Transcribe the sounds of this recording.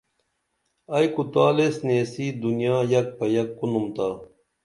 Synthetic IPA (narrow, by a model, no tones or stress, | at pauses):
ɐjkut̪aːlesneːsiːd̪unijaːjɐk̚pɐjɐkːunumt̪aː